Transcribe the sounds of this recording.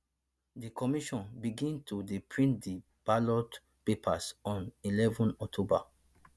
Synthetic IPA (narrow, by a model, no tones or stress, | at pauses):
dikɔmiʃɔ̃nbiɡĩntʰudipʰɹĩndi | b̥alɔt | pepʰasɔ̃nilɛvɔ̃nɔk̚tʰoba̰